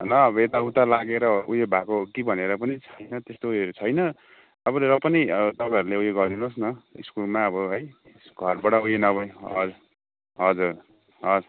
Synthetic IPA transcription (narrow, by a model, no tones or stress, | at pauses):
nʌːbʌet̪aut̪alaɡeɾʌujebʱakokibʱʌneɾʌpʌnit͡sʰʌjnʌt̪est̪oujeɾt͡sʰʌjnʌ | ʌbʌɾʌpʌniʌʌt̪ʌpãjʌɾuleujeɡʌɾd̪inosnʌḭskulmaʌbʌɦʌj | sɡ̥ʱʌrbʌɽʌujenʌβʌjʌd͡z | ɦʌd͡zuɾ | ɦʌd͡z